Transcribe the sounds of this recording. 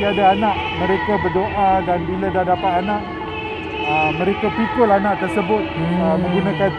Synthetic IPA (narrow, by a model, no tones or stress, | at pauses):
iadaanaʔ | mə̃ɾekabərdoʔadanbiladahdapat̪anãʔ | əmə̃ɾekapikʊlanaʔt̪ərsəbʊt̪̚əmə̃ŋɡunãkan